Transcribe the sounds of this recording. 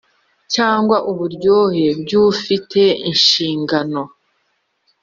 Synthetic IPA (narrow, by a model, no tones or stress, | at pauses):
caːŋɡwaʔuβuɾɟo̞ːhe̞b̚ɟufitʰe̞inʃiːŋɡano̞